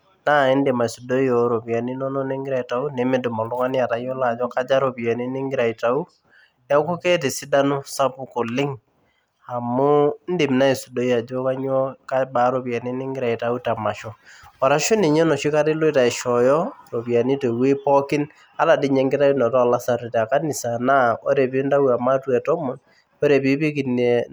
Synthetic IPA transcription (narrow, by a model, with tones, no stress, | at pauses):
na˦˨ɪ˦ndɪ˨ma˨su˨do˦i˦ɔ˨ɾo˨pja˨ni˦nɔ˦nɔ˦ni˦ŋɡɪɾa˦˨i˨ta˨u˦ne˨mɪ˦dʊ˨mɔ˨lʊ˦ŋa˦ni˦a˨ta˨jɔ˦la˨d͡ʒɔ˦ka˦d͡ʒa˦ɾo˨pja˨ni˦nɪ˦ŋɡɪ˦ɾa˨i˨ta˨u˦ | a˦ku˦ke˦ti˨si˦da˦nu˦sa˦pʊ˦ko˨lɪ˦ŋ | a˨mʊ˦n˦dɪ˨m˨na˦i˨su˨do˦i˦a˨d͡ʒɔ˦ka˦ɲɔ˦ka˦ba˨˦ɾo˨pja˨ni˦nɪ˦ŋɡɪɾa˨i˨ta˨u˦ta˨ma˨ʃɔ˦wa˨ɾa˦ʃʊ˦ni˨ɲɔ˦nɔ˨ʃi˦ka˦tɪ˦lʊ˦ta˨ɪ˨ʃɔ˨jɔ˦ro˨pja˨ni˦te˨wi˦pɔ˦kɪ˦n | a˦la˨dɪ˦ɲɛ˨˦ŋɡɪ˦ta˦i˦nɔ˨tɔ˦˨la˦sa˨ɾi˨ta˨ka˦nɪ˨sa˨na˦ɔ˦ɾe˨pi˦nda˦u˦a˨ma˦twɛ˨tɔ˦mɔ˨n | ɔ˦ɾe˨pi˦pi˦ki˨ne˨